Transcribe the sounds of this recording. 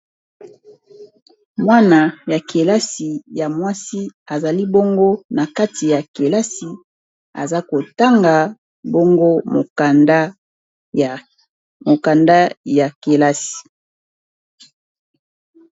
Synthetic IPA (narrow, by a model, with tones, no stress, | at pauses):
mwa˦na˨ja˨kʰe˨la˦si˨ja˨mwa˦si˦a˨za˨li˦bo˦ŋɡo˦na˨ka˦ti˨ja˨ke˨la˦si˨ | a̰˨za˦ko˨ta˦ŋɡa˨ | bo˦ŋɡo˦m˨˦ | mo˨ka˨nda˦ja˨ke˨la˦si̥˨